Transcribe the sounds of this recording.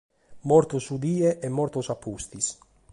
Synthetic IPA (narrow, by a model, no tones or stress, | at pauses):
mɔɾt̪osud̪iːeʔɛmːɔɾt̪osapʰːust̪is